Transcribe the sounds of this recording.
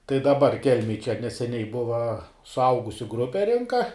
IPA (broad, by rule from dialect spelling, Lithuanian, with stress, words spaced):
tɐɪ dɐˈbɐr ˈkʲɛlʲmʲeːj t͡ʃʲɛ nʲɛsʲɛˈnʲɛɪ ˈbʊʋɐ sʊˈɐʊɡʊsʲʊ ˈɡrʊpʲɛ ˈrʲɪŋkɐ